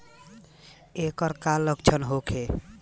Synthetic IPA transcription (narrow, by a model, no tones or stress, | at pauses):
ekəɾkalːəkt͡ʃʰənɦokʰe